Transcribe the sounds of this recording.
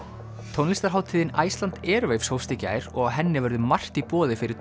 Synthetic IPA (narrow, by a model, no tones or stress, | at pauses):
t̪ʰownlist̪aɾɦawt̪ʰiːðɪna̰jst̪lant̪ɛːɾvejfshowfst̪ɪca̰ːjɾɔɣɦɛnːɪvœɾðʏmar̥t̪ipɔːðɪfɪɾɪɾ̥